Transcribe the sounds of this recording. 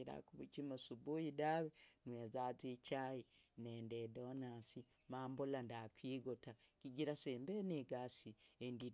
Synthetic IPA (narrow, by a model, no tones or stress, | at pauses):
iɾa̰kuβṵt͡ʃimosubujidawenwezazit͡ʃajineːndedonasi | maːmbulandakwiːɡotakiɡiɾaseːmbeneɡasiendi